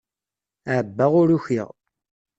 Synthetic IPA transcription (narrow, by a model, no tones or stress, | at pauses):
ʕəbːæʁʊɾuçiʁ